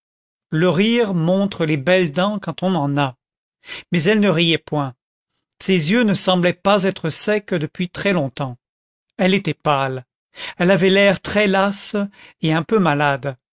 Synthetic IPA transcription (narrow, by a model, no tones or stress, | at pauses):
ləʁiʁmɔ̃t̪χəlebɛld̪ɑ̃kɑ̃t̪ɔ̃nɑ̃na | mɛzɛlnəʁijɛpwɛ̃ | sezjønəsɑ̃blɛpazɛt̪χəsɛkd̪əpɥit̪χɛlɔ̃t̪ɑ̃ | ɛlet̪ɛpal | ɛlavɛlɛʁt̪χɛlaseɛ̃pømalad̪